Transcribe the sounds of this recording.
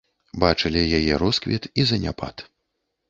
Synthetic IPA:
bat͡ʂɨlʲijajɛɾɔskvʲɛt̪izɐnʲa̰pa̰t̪

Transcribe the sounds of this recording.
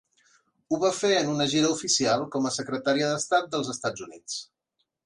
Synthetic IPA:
uβafeənunəʒiɾəufisialˠkɔməsəkɾət̪aɾiəðəst̪at̪̚d̪əlˠzəst̪ad͡zunit͡s

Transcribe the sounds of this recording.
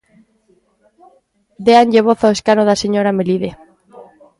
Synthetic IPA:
d̪eaɲʎeβoθaeskanoðaseɲoɾameliðe

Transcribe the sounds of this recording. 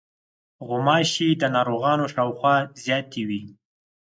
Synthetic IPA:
ɣʊmɑʃid̪ənɑɾoɣɑnoʃɑwxwɑzjɑt̪ewi

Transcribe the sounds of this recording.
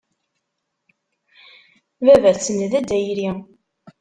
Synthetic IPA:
vævæɾt͡sːənðæd̪æjɾi

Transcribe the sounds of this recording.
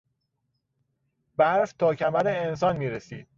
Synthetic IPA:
bæɾft̪ʰɒːcʰæmæɾeensɒːnmiːɾesḭːd̪̥̚

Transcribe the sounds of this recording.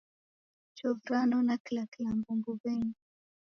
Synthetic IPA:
t͡ʃɔvɾanɔnakilakilambumbubɛŋɡi

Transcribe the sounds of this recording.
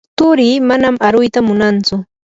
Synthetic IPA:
t̪ʊɾiːmanamaɾʊjt̪amʊnant͡sʊ

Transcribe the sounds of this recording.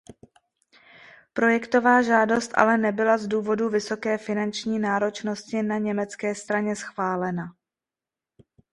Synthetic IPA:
pɾo̞jɛkt̪o̞vaːʒaːdo̞st̪ʔa̰lɛnɛbɪlazduːvo̞duvɪso̞kɛːfɪnant͡ʃɲiːnaːɾo̞t͡ʃno̞scɪnaɲɛmɛt͡skɛːst̪ɾaɲɛsxv̥aːlɛna

